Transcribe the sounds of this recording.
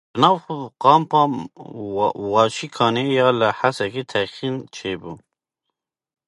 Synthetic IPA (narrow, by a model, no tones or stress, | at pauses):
nɑːwxuqɑːmpɑm | wɑʃikʰɑːnejɑːləhasaket̪ʰaqint͡ʃʰebu